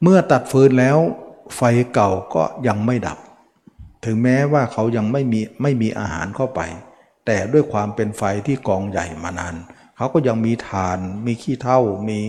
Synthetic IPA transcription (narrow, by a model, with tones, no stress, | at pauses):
mɯ˥˩ɐt̪a˨˩t̪̚fɤː˧nlɛː˦˥wfa˧jka˨˩wkɔ̰ː˥˩ja˧ŋma˥˩jda̰˨˩p̚ | t̪ʰɯ˩˦ŋmɛː˦˥waː˥˩kʰa˦˥wja˧ŋma˥˩jmiː˧ma˥˩jmiː˧ʔa̰ː˧ha̰ː˩˦nkʰa˥˩wpa̰˧j | t̪ɛː˨˩du˥˩əjkʰwaː˧mpe˧nfa˧jt̪ʰiː˥˩kɔː˧ŋja̰˨˩jmaː˧naː˧n | kʰa˦˥˩wkɔː˥˩ja˧ŋmiː˧t̪ʰaː˨˩nmiː˧kʰiː˥˩t̪ʰa˥˩wmiː˧